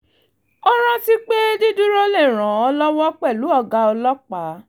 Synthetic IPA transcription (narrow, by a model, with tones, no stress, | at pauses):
ɔ˦ɾ̃ã˦ti˦k͡pe˦di˦du˦ɾo˦le˦˨ɾ̃ã˨ɔ˧lɔ˦wɔ˦k͡pɛ˦˨lu˨˦ɔ˧ɡa˧ɔ˧lɔ˦k͡pa˨˦